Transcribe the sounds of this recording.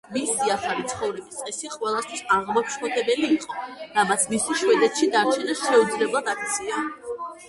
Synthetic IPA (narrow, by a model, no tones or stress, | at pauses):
misiaχaɾit̪sʰχɔvɾɛbist̪sʼɛsiqʼwɛlˠast̪ʰwisaʁmakʰʃkɔt̪ʰɛbɛliːqʼɔd̪amat̪sʰmist̪ʰwiʃwɛd̪ɛt̪ʃid̪aɾt͡ʃʰɛnɛsʃɛud̪zlɛblˠad̪ak̚ʰt̪sʰia